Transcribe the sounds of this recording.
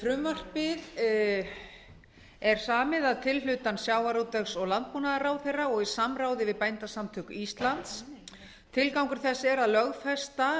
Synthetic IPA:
fɾʏmːar̥pɪð | ɛɾ̥saːmɪðaðt̪ʰɪllʏt̪ansjaːwvaɾowt̪ɛxsɔɣlant̪̚puːnaðaɾaːwθejrːaɔɣi̥samɾaːwðɪvɪðpajnt̪asamt̪ʰʏkʏist̪lant̪s | t̪ʰɪlkawŋkʏɾ̥θɛsːɛɾaðlœɣfɛst̪a

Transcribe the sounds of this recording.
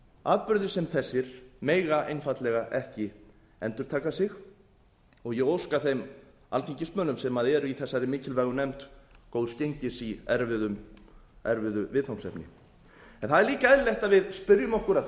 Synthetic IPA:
aːðpʏɾðɪɾ̥sɛmθɛsːɪɾ̥meːjɣaʔejnfat̪lɛɣaʔɛhcɪ | ɛnt̪ʏɾ̥t̪ʰaːkasɪx | ɔɣjɛɣowskaθejm | alfʰiɲcɪsmœːnʏmsɛmaðɛɾʏiθɛsːaɾɪmɪːcɪlvɛɣʏnɛmt̪kowðscejɲcɪsiɛɾvɪðʏmɛɾvʏðʏvɪðθawnsɛ̰pnɪ̰ | ɛnθaðɛɾliːkaɛðlɛht̪aðvɪðspʏɾjʏmɔhkʏɾa

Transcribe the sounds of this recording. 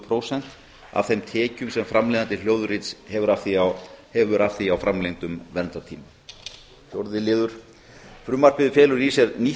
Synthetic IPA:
pʰɾowsɛn̥t̪ | a̰v̥θejmt̪ʰɛːcʏmsɛmfɾamlɛːðant̪ɪljoːwðʏɾit̪shɛvʏɾafθiahɛvʏɾʔafθiawfɾamlejnt̪ʏmvɛnt̪at̪ʰiːma | θjowɾðɪlɪːðʏɾ̥ | fɾʏːmar̥pɪðʏfjɛːlʏɾisɛɾni

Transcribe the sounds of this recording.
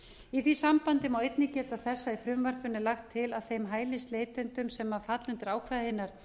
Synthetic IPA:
iθvisampant̪ɪmawejt̪nɪcɛːt̪aθɛsːaifɾʏmvœɾ̥pʏnːɪlaxt̪ʰːɪlaðθejmɦaːjlɪst̪leːjt̪ʏnt̪ʏmsɛmːafat̪lʏnt̪ɪɾaːwkʰvaðahɪnːaɾ̥

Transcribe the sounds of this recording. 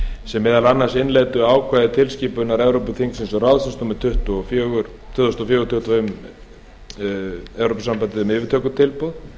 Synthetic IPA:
sɛmːɛːðalanːasɪnlɛːjt̪ʏaːwkʰvaːjðɪt̪ʰɪlsciːpʏnaɾɛvɾowpʏθʰiŋksɪnsɔrawðsɪnsnuːmɪt̪ʰʏht̪ɔfjœːɣʏɾ | t̪ʰʏhðɔst̪ɔfjœːɣʏɾt̪ʰʏt̪vm | ɛvɾopʏsampant̪ɪðœmɪːvɪɾt̪ʰœːkʏt̪ʰɪlpɔð

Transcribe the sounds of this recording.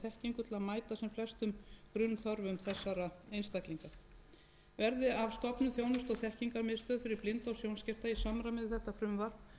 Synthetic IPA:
θɛhciŋkʏt̪ʰɪlaðmaːjt̪asɛmflɛst̪ʏmkɾʏnːθɔɾvʏmθɛsːaɾaejnst̪ajkliŋka | vɛɾðɪavst̪ɔpnʏθjoːwnʏst̪ɔɣθɛhciŋkaɾmɪðst̪œːðfɪɾɪɾplɪnt̪awsjownscɛr̥t̪aisamɾamɪðʏθɛht̪afɾʏmvaɾ

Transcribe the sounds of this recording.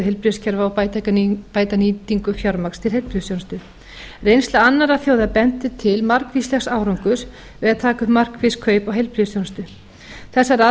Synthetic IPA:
ʏɦejlpɾiscʰɛɾvaːwt̪akapaːjt̪aniːt̪iŋkʏfjawɾmakst̪ʰɪlɦejlpɾisjownst̪ʏ | rejnst̪laanːaɾaθjowðapɛnt̪ɪt̪ʰɪlmar̥kvislɛxsaːwɾowŋkʏɾ̥ | vɛðat̪ʰaːkʏmar̥kvɪskʰœːɥpawɦejlpɾisjownst̪ʏ | θɛsːaɾa

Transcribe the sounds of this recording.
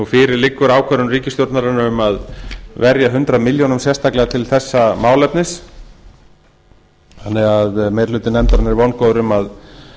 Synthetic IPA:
ufɪɾɪɾlɪkːʏɾaːwkʰœɾʏnriːcɪst̪jowɾt̪naɾanːaʏmaðvɛɾjaɦʏnt̪ɾaðmɪljonʏmsjɛst̪aklɛɣat̪ʰɪlθɛsːamaːwlɛpnɪs | hanːɛɣaðmejɾlʏːt̪ɪnɛmt̪aɾanɪɾvɔwnkoðɾʏmað

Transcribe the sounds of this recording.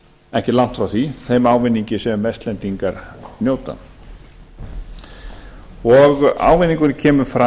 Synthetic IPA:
ɛhcɪlawn̥t̪fɾawθiθejmaːwvɪnːiɲcɪsɛmmɛjst̪lɛnt̪iŋkaɾnjoːwt̪a̰ | ɔɣa̰ːwvɪnːiŋkʏncʰɛːmʏfɾa

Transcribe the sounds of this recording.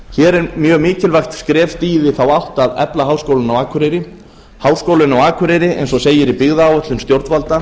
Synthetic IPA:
çɛːɾɛɾmjœːɣmiːcɪlvajxt̪skɾɛːft̪iːðɪθawawht̪aðɛ̰plaɦaːwskowlɪnawaːkʰʏɾejɾɪ | hawskowlʏnawaːkʰʏɾejɾɪʔɛ̰jnsɔseːjɪɾipɪɣðaːwœt̪lʏnst̪jowɾt̪valt̪a

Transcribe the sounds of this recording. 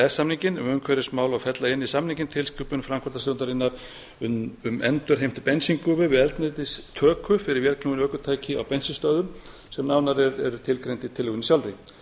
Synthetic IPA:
ɛsamniŋcɪnʏmʏmkʰvɛɾɪsmaːwlawfɛt̪laɪnːisamnĩŋcɪnt̪ʰɪlskʏːpʏnfɾamkʰɔɾt̪asɔnt̪aɾɪnːaɾ̥ | ʏʏmɛnt̪ʏɾ̥ɦejm̥t̪pɛnsiŋkʊvɪvɪðɛlt̪nɪt̪ɪst̪ʰœːkʰʏfɪɾɪɾvjɛɾknuɣɪnœːkʏt̪ʰaːjcɪawpɛnsɪst̪œːðʏm | sɛmnaːwnaɾɛɾɛɾʏt̪ʰɪlkɾejnt̪ɪit̪ʰɪlːʏɣʏnisjawlrɪ

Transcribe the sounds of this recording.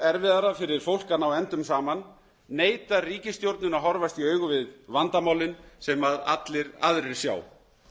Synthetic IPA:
ɛɾvɪðaɾafɪɾɪɾ̥fowl̥kanawɛnt̪ʏmsaːmanː | eːjt̪ariːcɪst̪jowɾt̪nʏnaɦɔɾvast̪iœːɥɣʏvɪðvant̪amaːwlɪnsɛmaða̰t̪lɪɾa̰ðɾɪɾ̥sja̰ːw

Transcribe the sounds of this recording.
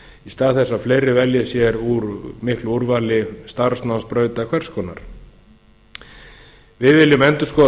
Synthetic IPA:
ist̪aːðθɛsːafleːjɾɪvɛljasjɛɾuɾmɪhkluɾvaːlɪst̪aɾ̥snawnspɾœːɥt̪akʰv̥ɛr̥skɔːna̰ɾ̥ | vɪðvɪlːɪmɛnt̪ʏ̥skɔ

